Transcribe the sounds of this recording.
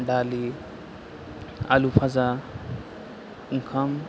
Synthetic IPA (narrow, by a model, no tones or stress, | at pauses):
ɖaːli | a̰lupʰaza | ŋkʰam